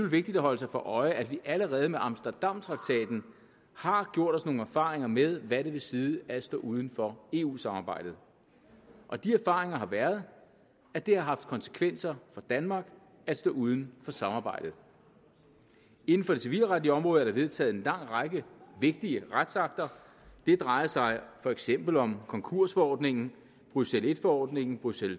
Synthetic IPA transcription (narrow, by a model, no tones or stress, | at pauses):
ylʋe̝ɡ̥̚d̥id̥æɦɒ̽l̰əs̬ɑ̈ɪfɒ̽ʔɒ̽ɪʔæd̥ʋiʔæləʁɛːð̞̩ˠmeʔɑ̈msd̥ɐd̥ɑ̈m̰t͡sʰʁɑ̈ɡ̥̚t͡sʰɛ̰ːd̥n̩ | hɑ̈ɡ̥jo̝ɐ̰ɾ̥ɒ̽sno̝ːŋ̩æɐfɑ̰̈ːʁeŋɐmeð̞ˠʋæɾe̝ʋe̝siːðˠəæ̥sd̥ɔ̰ːʔuð̞ˠn̩fɒ̽e̝ːṵːsɑ̈mɑ̈ːb̥ɑ̈ɪ̰d̥ð̩ˠ | ʔɒ̽d̥iæɐfɑ̈ːʁeŋɐɦɑ̈ʋæɐð̞ˠ | æd̥ehɑ̈ɦɑ̈fd̥̚kʰɒ̽nsə̥kʰʋen̰sɐfɒ̽d̥ænmɑ̈ːɡ̥ | æd̥sd̥ɔ̰ːuð̞ˠn̩fɒ̽sɑ̈mɑ̈ːbɑ̈ɪ̰d̥ð̩ˠ | e̝n̩fɒ̽ɾe̝siʋḭːlʁad̥iəɒ̽mʁɔ̽ːðˠæɐd̥ɑ̈ʋe̝ð̞ˠt͡sʰɛ̰ːð̞̩ˠe̝nlɑ̈ŋ̰̥ʁɑɡ̥əʋe̝ɡ̥̚d̥iəʁad̥sɑ̈ɡ̥̚d̥ɐ | d̥e̝d̥ʁɑ̈ɪɐsɑ̈ɪfɒ̽eɡ̥sem̰b̥l̩ɒ̽mkʰɒ̽ŋkʰuɐ̰sfɒɒ̰ːd̥ne̝ŋn̩ | b̥ʁysele̝d̥fɒɒ̰ːd̥ne̝ŋn̩b̥ʁysel